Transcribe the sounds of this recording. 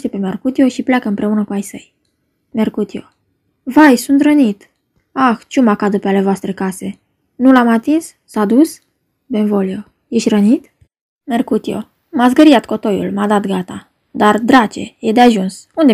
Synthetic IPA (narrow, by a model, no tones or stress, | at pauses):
t̪e̞pe̞markut̪io̞ʃiplʲejakəɨmpɾe̞unəkuajsəj | markut̪io̰ | vajsunt̪rənit̪ | axt͡ʃumakad̪əpeale̞voast̪ɾe̞kase̞ | nulamat̪insːad̪us | benvo̞lio | jeʃʲrənit̪ | merkut̪io̞̰ | mats̬ɡəɾiat̪̚ko̞t̪o̞jṵlmad̪at̪ɡat̪a | d̪ard̪ɾat͡ʃe̞̰jed̪e̞aʒuns | und̪e